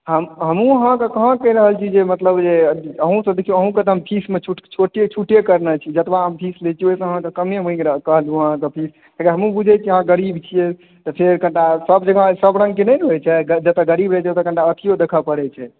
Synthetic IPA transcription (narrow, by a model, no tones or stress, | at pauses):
ɦəmɦəmũəɦãkəkəɦə̃kəiɾəɦəlt͡ʃʰid͡ʒemət̪ləbd͡ʒeəɦũsə̃d̪ekʰijuəɦũket̪əɦəmpʰismet͡ʃʰuʈt͡ʃʰoʈet͡ʃʰuʈjekəɾnət͡ʃʰid͡ʒət̪baɦəmpʰislet͡ʃʰioɦisə̃əɦãk̪əkəmemə̃ĩɾəkəɦəlũəɦãkəpʰis | t̪əkəɦəmũbud͡ʒʱɛt͡ʃʰiəɦãɡəɾibt͡ʃʰije | t̪ɔpʰeɾkə̃ɳʈasəbd͡ʒəɡãsəbɾə̃ŋɡkenɛjnɦojt͡ʃʰɛɡəd͡ʒət̪əɡəɾibɾɛt͡ʃʰɛt̪əkə̃ɳʈaət̪ʰijod̪ekʰəpəɽɛt͡ʃʰɛ